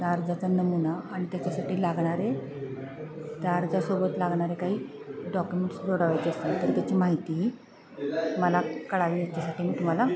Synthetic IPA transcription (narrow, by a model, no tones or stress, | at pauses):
d̪aɾd͡zat͡sanəmunaːɽ̃it̪jat͡ɕasaʈiːlaɡɳ̃aɾe | d̪aɾd͡zasobət̪laɡɳ̃aɾekaɦiː | ɖɔkjumeɳʈsd͡zoɽəʋajt͡ɕeəst̪ənt̪əɾt̪jat͡ɕiːmaɦit̪i | məlakəɭaʋiːjet͡ɕasaʈiːmiːt̪um̤ala